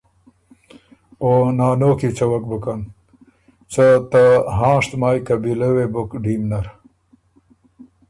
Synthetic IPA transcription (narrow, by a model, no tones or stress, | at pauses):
oːnaːnoːkit͡sɐwɐkbukɐn | t͡sɐt̪aɦãːʂt̪maːjkɐbilɐwebukɖiːmnɐɾ